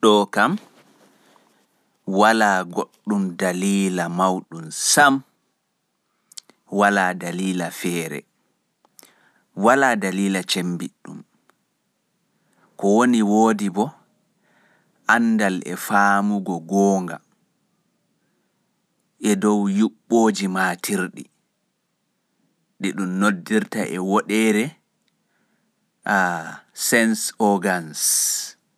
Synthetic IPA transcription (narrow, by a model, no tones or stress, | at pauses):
ɗɔkam | walaːɡoɗːumdaliːlamawɗumsam | walaːdaliːlafɛːɾɛ̰ | walaːdaliːlat͡ʃembiɗːṵm | kɔwoniwoːdibɔ | ʔandalʔɛ̰faːmuɡɔɡɔːŋɡa̰ | ʔɛdɔwjuɓːoːd͡ʒimaːtʰiɾɗḭ | ɗiɗumnodːiɾta̰ʔɛwɔɗɛɾɛ | asɛnsɔɡans